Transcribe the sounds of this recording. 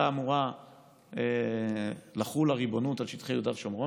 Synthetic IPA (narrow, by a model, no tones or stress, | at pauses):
aːmuʁa | e | laχulaʁibo̞nutalʃit̪χejudavʃomʁo